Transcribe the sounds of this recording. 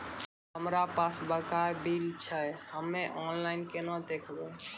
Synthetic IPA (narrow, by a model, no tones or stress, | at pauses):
həmɾapasbəkabilt͡ʃʰəjhəmːeʔɔnlainkenad̪ekʰbe